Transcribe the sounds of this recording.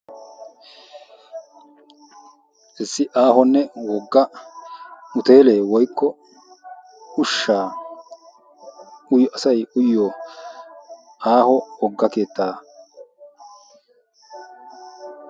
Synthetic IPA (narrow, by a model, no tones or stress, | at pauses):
ʔɛsːɪʔaːɦɔnːɛwɔɡːɐ | mʊt̪e̞ːle̞ːwɔjkːɔ | ʊʃːaː | ʊjɔʔɐsɐjʊjːɔ | ʔaːhɔwɔɡːɐke̞ːt̪ːaː